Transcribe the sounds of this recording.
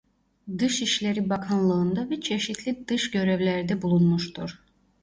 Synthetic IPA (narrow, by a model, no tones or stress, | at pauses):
d̪ɯʃiʃlʲeɾibakʰanlˠɯːnd̪avɛt͡ʃʰe̞ʃit̪ʰlʲid̪ɯʃɟø̞ɾɛvlʲæɾd̪ɛbulˠunmuʃt̪ʰuɾ̥